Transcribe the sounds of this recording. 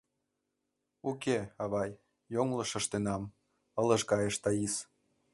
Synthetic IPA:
ukeɑβɑjː | oŋlɤ̆ʃə̆ʃt̪enɑm | ələʃkɑjeʃt̪ɑis

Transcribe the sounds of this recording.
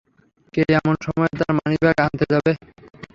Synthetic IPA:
kejɛmonʃɔmɔet̪aɾmanibɛɡant̪ed͡ʑabe

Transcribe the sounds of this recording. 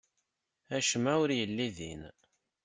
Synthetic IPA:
æʃmæwʊɾjəlːiðḭn

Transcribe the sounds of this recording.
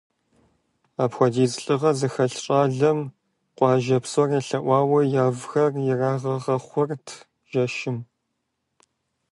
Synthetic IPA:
aːpxʷɔdiːzɨɬʼɨʁɐzɨxɐɬɕʼaːɮɐm | qʷʼɑːʒɐpsɔreɬɐʔʷɑːwɐjaːvxɐrjɪraːʁɐʁɐχʷɔrtʰ | ʒ̥ɐʃɪm

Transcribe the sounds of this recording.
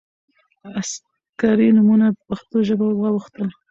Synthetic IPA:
as | kɑɾinʊmunapəpaxt̪oʒəbawwɑwuxt̪əl

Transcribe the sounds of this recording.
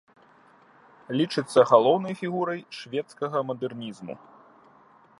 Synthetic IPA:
lʲit͡ʂɨt̪sːɐɣalˠɔwnɐjfʲiɣuɾɐjʂvʲɛt̪skɐɣɐmɐd̪ɛrnʲizmṵ

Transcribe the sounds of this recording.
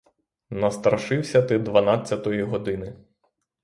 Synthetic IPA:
nɐst̪ɾɐʃɪwsʲɐt̪ɪd̪ʋɐnɑt͡sʲːɐt̪ɔjiɦɔd̪ɪnɪ

